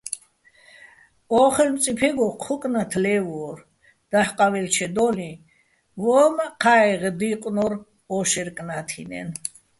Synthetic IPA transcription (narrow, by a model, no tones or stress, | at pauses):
ɔːχɛlmt͡sʼipʰɛɡɔqʰɔkʼnat̪ʰlɛvɔɾ | d̪̥ahqʼavɛlt͡ʃʰɛd̪ɔli | vɔmaqʰaɛʁd̪iqʼnɔɾ | ɔʃɛɾkʼnat̪ʰḭnɛ̰n